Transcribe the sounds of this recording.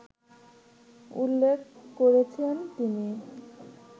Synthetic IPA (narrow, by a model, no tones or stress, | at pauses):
ṵlːekʰkoɾet͡ɕʰent̪ini